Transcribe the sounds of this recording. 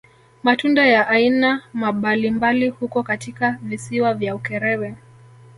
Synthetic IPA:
matundajaʔːinamaɓalimbalihukɔkatikavisiwavjaukɛɾɛwɛ

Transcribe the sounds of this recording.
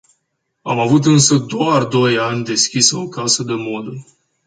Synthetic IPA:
amavut̪ɨnsəd̪oard̪o̞janʲd̪e̞skʲisəo̞kasəd̪emo̞d̪ə

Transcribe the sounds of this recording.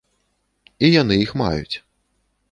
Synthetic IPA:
ijan̪ɨjixma̰jṵt͡sʲ

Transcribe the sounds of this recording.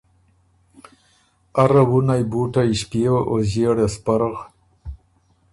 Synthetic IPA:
aɾawunajbuʈajʃpewaʔoʑeɽespaɾɣ

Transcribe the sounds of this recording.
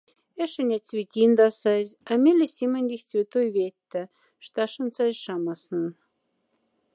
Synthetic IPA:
ĕʃɘ̆nʲat̚ʲt͡sβʲit̪ʲind̪ɑsɑzʲɑmʲelʲesʲimănʲd̪ʲixʲt͡sβʲet̪ojβet̪ːɘ | ʃt̪ɑʃɤ̆nt͡sɑzʲʃɑmɑsnɤn

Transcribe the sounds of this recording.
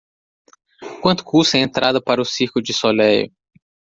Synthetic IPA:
kwɐ̃nt̪ʊ̥kusɐẽnt̪ɾad̪ɐpaɾɐʊsiɾkʊd͡ʒɪsolɛjʊ̰

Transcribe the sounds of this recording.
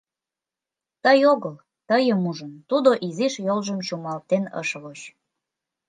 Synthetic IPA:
t̪əjoɣəl | t̪əjəmuʒənt̪ud̪oʔiziʃjolʒəmt͡ɕumɑlt̪enə̰ʃβot͡ɕ

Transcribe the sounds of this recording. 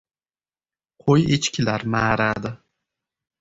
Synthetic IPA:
qʰojet͡ʃkʲʰɪlaɾmaːɾad̪ɪ

